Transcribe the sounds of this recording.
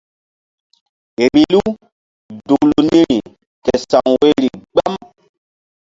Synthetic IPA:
e˨ɾi˨lu˦ | du˨lu˨nĩ˦ɾi˨ | tɛ˨sa˨ŋwe˦ɾi˨ɡ͡ba˦m

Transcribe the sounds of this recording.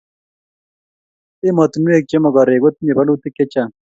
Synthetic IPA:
ɪ˦mɔ˨t̪mu˦e˦˨k̚t͡ʃe˦mɔ˨ɡɔ˨ɾe˨ɡo˦t̪̚ɲe˨ba˦lu˦t̪ɪ˦ke˦t͡ʃa˨

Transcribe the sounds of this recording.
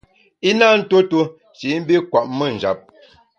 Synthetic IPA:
i˦na˦˨n̩˦to˦tu˦ | ʃi˨˦m̩˦bi˦kwa˨ʔmə˦˨n̩˨d͡ʒa̰˨p̚

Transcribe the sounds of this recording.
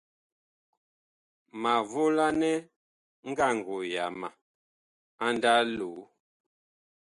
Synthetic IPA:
ma˨vo˦la˦nɛ˦ | ŋ̩˦ɡa˦˨ŋ̩˨ɡo˨ja˨ma˨ | a˦n˦da˦lo˨˦

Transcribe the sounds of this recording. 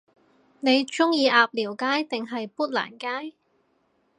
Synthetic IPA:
ne˨˧jt͡ʃʊ˥ŋjiː˨˧ʔaː˨˧p̚liː˨˩wkaː˥jt̪ɪ˨ŋɦɐ˨jpuː˥t̚la̰ː˨˩nkaː˥j

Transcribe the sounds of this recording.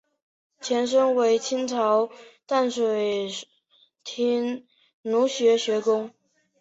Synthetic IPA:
t͡ɕʰjɛ˧˥nʂ̬ɤ˥ŋwe˧˥ɪt͡ɕʰi˥nt͡sʰɑ˧˥ʊt̪a˥˩nʂwe˨˩ɪ | t̪ʰi˧˥n | nu˧˥ɕɥɛ˧˥ɕɥɛ˧˥kʊ˥ŋ

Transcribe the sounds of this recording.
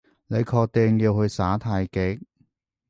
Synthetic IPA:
ne˨˧jkʰɔː˧k̚t̪e˧ŋjiː˧whɵ˧ɥsaː˨˥t̪ʰaː˧jkɪ˨˧˥k̚

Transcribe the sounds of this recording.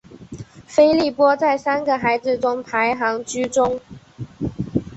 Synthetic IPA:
fe˥ɪli˥˩pwɔ˥t͡sa˥˩ɪsa˥nɡə˨xa˧˥ɪd͡zɹ̩˨ʈ͡ʂʊ˥ŋpʰa˧˥ɪxɑ˧˥ŋt͡ɕy˥ʈ͡ʂʊ˥ŋ

